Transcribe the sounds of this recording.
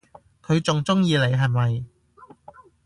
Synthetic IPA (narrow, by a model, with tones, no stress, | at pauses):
kʰɵ˨˧ɥt͡sʊ˨ŋt͡sʊ˥ŋjiː˧le˨˩jɦɐ˨jmɐ˨j